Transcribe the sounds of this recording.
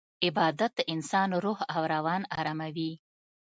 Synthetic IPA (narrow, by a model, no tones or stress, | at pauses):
ɪbɑd̪at̪̚d̪əʔɪnsɑnɾohawɾawɑnaɾamawi